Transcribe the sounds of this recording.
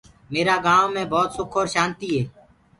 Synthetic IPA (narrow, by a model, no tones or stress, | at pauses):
meːɾaːɡãːõmẽːbʱɔːt̪sʊkʰoːɾʃaːnt̪iːɦɛː